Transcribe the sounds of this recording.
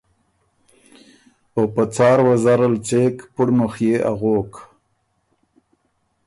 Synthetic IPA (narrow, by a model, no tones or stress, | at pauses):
opət͡sɑːɾwazaɾalt͡seːkpʊɽnʊxjeʔa̰ɣok